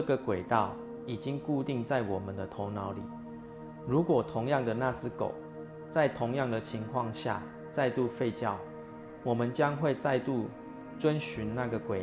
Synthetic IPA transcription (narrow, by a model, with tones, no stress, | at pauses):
ə˥˧ɡə˨kwe˨˩ɪt̪ɑ˥˨ʊ | i˨˩t͡ɕi˦ŋku˥˧t̪i˥˧ŋt͡sa˥˩ɪwɔ˨˩mə˨nd̪ə˨t̪ʰo˧˦ʊna˧˦ʊlḭ˨˩ | ɻu˨˦kwɔ˨˩t̪ʰʊ˧˦ŋjɑ˥˨ŋd̪ə˨na˥˧t͡sɹ̩˥˨ko̰˨˩˦ʊ | t͡sa˥˩ɪt̪ʰʊ˧˥ŋjɑ˥˨ŋd̪ə˨t͡ɕʰi˧˦ŋkʰwɑ˥˧ŋɕja̰˥˨ | t͡sa˥˧ɪt̪u˥˧fe˥˧ɪt͡ɕjɑ˥˨ʊ | wɔ˨˩mə˨nt͡ɕjɑ˦ŋxwe˥˧ɪt͡sa˥˧ɪt̪u˥˨ | t͡swə˦nɕy˧˦nna˥˩ɡə˨kwe˨˩